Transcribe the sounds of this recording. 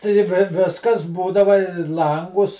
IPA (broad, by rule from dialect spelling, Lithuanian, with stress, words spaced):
tɐɪ ˈʋʲɪ ˈʋʲɪskɐs ˈbuːdɐʋɐ ɪ ˈlˠɐŋɡʊs